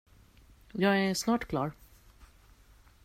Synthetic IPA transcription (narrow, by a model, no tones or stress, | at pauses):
jɑːɡæʂnɑːʈkʰlɑ̰ːɾ